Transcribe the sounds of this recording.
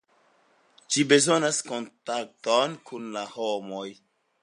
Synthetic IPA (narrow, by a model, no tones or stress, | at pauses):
d͡ʒibe̞zo̞nasko̞ntak̚tonkʰunlahomoj